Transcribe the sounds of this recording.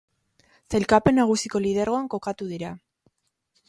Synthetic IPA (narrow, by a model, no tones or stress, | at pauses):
sejlkape̞naɣ̞usiko̞lið̞eɾɣo̞aŋko̞kat̪uðiɾa